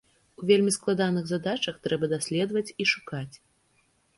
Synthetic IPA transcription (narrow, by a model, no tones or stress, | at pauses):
uvʲelʲmʲisklˠad̪anɨɣzad̪at͡ʂɐxt̪ɾɛbɐd̪asʲlʲɛd̪vɐt͡sʲiʂukat͡sʲ